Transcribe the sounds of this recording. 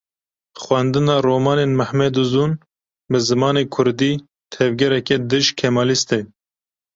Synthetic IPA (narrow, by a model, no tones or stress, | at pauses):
xwɛnd̪ɨnɑːroːmɑːneːnmɨhmɛd̪uzuːn | bɨzɨmɑːneːkʰʊɾd̪iː | t̪ʰɛvɡɛɾɛkɛd̪ɨʒkʰɛmɑːlist̪e